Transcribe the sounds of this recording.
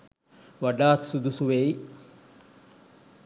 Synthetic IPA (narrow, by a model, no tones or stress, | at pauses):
ʋaɖaːt̪sud̪usuʋei